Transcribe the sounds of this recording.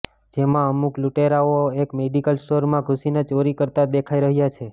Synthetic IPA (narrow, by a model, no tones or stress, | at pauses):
d͡ʒemãəmukluʈeɾaoekmeɖikəlsʈoɾmãɡʱusinət͡ʃoɾikəɾt̪ad̪ekʰaiɾəɦjat͡ʃʰe